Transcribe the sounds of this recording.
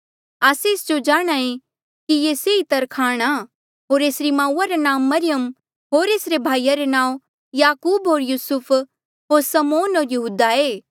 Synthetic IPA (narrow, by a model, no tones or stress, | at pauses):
aːseɪsd͡ʒod͡ʒaːɽ̃aẽ | kijeːseːit̪ɐɾkʰaːɽ̃a | ɦoːɾeːsɾimãːuːaɾenãːmːɐɾɪjəm | ɦoːɾeːsɾebʱaːijaɾenãːõ | jaːkuːbɦoːɾjuːsʊpʰ | ɦoːɾsɐmoːnɦoːɾjɐɦuːd̪aeː